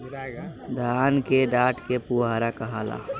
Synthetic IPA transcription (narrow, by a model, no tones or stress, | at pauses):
d̪ʱaːnkeɖaːʈkepuaɾakəɦaːla̰